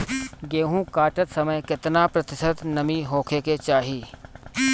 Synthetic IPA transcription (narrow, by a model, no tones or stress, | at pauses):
ɡeːɦũkaːʈət̪səməjkɪt̪napɾət̪ɪsət̪nəmiɦoːkʰeːket͡ʃaːɦiː